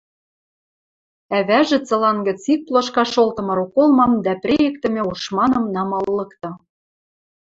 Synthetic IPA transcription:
æβæʒĕt͡sɤ̆lɑnɡə̆t͡sik̚plˠoʃkɑʃolt̪ɤ̆mɤ̆ɾukolˠmɑmd̪æprʲejĕkt̪ɘ̆mʲĕuʃmɑnɤ̆mnɑmɑlːɤ̆kt̪ɤ̆

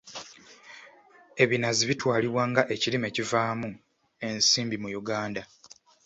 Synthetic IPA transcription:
e̞βinaziβitwaːliβwaːŋɡaʔe̞cilime̞ːcivaːmu | e̞nsiːmbimujuɡaːnda

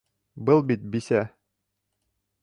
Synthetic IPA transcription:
bɤlˠbit̪̚bisæ

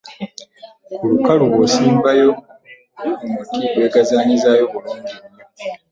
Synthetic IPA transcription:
kulukaluβosiːmbajo̞ | mutibwe̞ːɡazaːɲizajo̞βuluːɲɟiβo

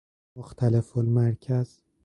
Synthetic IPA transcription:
moxt̪ʰælefolmæɾcʰæz̥

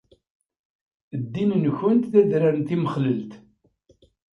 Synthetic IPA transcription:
d̪ːinənçənt̪θæðɾaɾənt̪iməχləlt̪

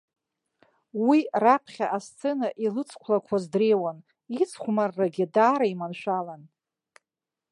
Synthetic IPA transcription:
wirapʰχʲaʔast͡sʰʼenaʔilɨt͡sʰkʷʰlakʷʰazdrejwan | it͡sʰχʷmarːaɡʲɪdaːɾaimanʃʷᶣalan

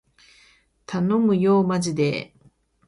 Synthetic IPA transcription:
t̪ʰano̞mɯ̟jo̞ːmaʑid̪e̞̰

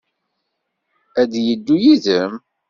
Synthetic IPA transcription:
æd̪jəd̪ːujiðəm

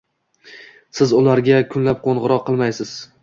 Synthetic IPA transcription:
sɪzʊlaɾɡʲakʰʊnlap̚qʰoɴʁɨɾɒqʰːɨlˠmajsɪz̥

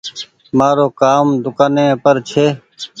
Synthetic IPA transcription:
maːɾoːkaːmd̪ʊkaːnẽːpəɾt͡ʃʰeː

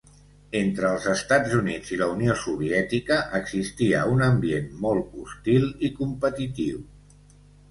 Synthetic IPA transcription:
ent̪ɾəːlˠzəst̪ad͡zunid͡ziləuniosuβ̞iɛt̪ikəʔəɡzist̪iəunəmbienmɔlˠtust̪ilˠikumpət̪it̪iw

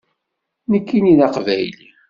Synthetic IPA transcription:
nəkːinilɑqvæjli

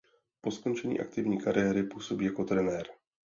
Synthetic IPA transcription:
po̞sko̞nt͡ʃɛɲḭːʔa̰k̚t̪ɪvɲiːkaɾʔɪjɛɾɪpuːso̞biːjako̞t̪ɾɛnɛːɾ

